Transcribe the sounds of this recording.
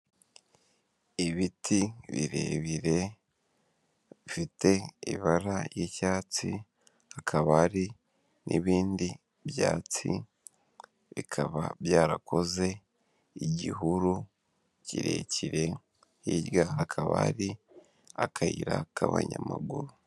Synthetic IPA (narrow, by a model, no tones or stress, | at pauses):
iβitʰiβiɾe̞βiɾe̞ | βifite̞iβaɾajicaːt͡si | hakʰaβaɾi | nʔiβiːndi | bjaːt͡si | βikʰaβaβjaːɾakʰo̞ze̞ | iɟiɦuɾu | ciɾe̞̰ciɾe̞ | iɾɡaakʰaβa̰ɾi | akʰaiɾakʰaβa̰ɲamaɡuɾu